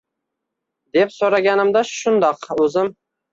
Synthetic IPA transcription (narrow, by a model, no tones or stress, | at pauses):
d̪epsoɾaɡʲanɪmd̪aʃʊnd̪ɑqɵzɪm